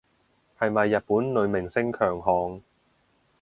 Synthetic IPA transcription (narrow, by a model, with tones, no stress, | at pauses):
hɐ˨jmɐ˨jːɐ˨t̚puː˨˥nlɵ˨˧ɥmɪ˨˩ŋsɪ˥ŋkʰœː˨˩ŋɦɔː˨ŋ